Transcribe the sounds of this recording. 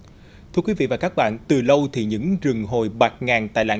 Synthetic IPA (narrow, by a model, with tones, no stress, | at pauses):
t̪ʰɨ˧əkwi˨˦vḭ˧˨vaː˨˩kaː˦˥k̚ɓa̰ː˧˨nt̪ɨ˨˩lə˧wt̪ʰi˨˩ɲɨ̰˧˥ŋzɨ˨˩ŋɦo˨˩jɓaː˨˩t̚ŋaː˨˩ŋt̪a̰ː˧˨jla̰ː˧˥